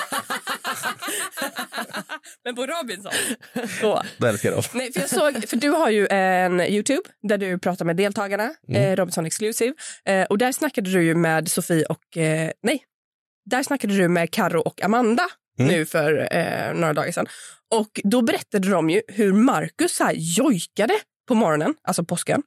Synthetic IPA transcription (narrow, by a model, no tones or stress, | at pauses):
mɛnpɔɾɔbɪnsɔ̰nsɔd̪ɛlskəɾɔ̰vnɛjfœɾjɑːɡsoːɡfœɖɵɦaɾjɵʔɛnjʉ̟ːt̪ʰʉːbd̪æɖɵpʰɾɑːt̪aɾmɛːd̪eːlt̪ʰɑːɡaɳaɾɔbɪnsɔnɛksklʉsɪvʔɔd̪æɾʂnakːad̪əd̪ɵjɵmeːd̪sʊfiːʔɔknɛj | d̪æɾʂnakːad̪əd̪ɵmɛːd̪kʰaɾʊʔɔkːa̰mand̪a | nʉ̟ːfœɾ̰noːɾad̪ɑ̰ːɡaʂɛ̰n | ɔkd̪ɔbɛɾɛt̪ːad̪əd̪ɔmjɵɦɵɾmaɾkɵshæːɾjɔjkad̪ə | pʰɔmɔɾɔnənʔa̰lsɔpʰɔskə̰n